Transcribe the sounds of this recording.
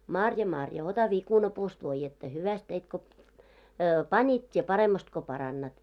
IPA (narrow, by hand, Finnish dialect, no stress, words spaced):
mɑrjɑ mɑrjɑ otɑ ʋikunɑpuːst ʋoijːetːɑ hyʋæst teit ko pɑnʲit tʲie pɑremːɑst ko pɑrɑnːɑt